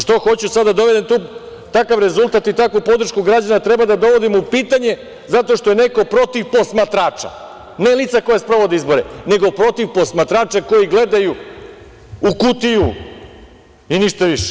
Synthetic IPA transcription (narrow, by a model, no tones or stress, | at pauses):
ʃt̪oxo̞t͡ɕusad̪d̪ad̪o̞ʋe̞d̪emt̪uː | t̪akaʋɾe̞zulˠt̪at̪it̪akʋupo̞d̪ɾ̩ʃkuɡɾad͡ʑanat̪ɾebad̪ad̪o̞ʋo̞d̪imupiːt̪aɲe̞ | zat̪o̞ʃt̪o̞je̞ne̞ko̞pɾo̞t̪iʋpo̞smat̪ɾaːt͡ʂa̰ | ne̞lit̪sako̞jaspɾo̞ʋo̞d̪eizbo̞ɾene̞ɡo̞pɾo̞t̪iʋpo̞smat̪ɾaːt͡ʃeko̞jiɡle̞d̪aju | ukut̪iju | iniʃt̪aʋiʃe̥